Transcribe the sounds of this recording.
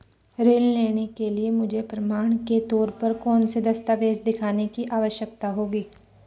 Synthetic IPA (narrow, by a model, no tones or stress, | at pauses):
ɾeːlleːɽ̃ekeliemʊd͡ʒʱepɾɐmaːɳ̃ket̪ɔːɾpɐɾkɔːnsed̪ɐst̪aːʋeːsd̪ɪkʰaːnekiʔaːʋəʃjəkt̪aɦoːɡiː